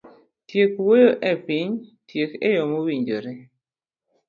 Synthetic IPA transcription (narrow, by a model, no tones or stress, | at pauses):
tjekwojoʔɛpiɲtjekḛjɔmowiɲd͡ʒoɾe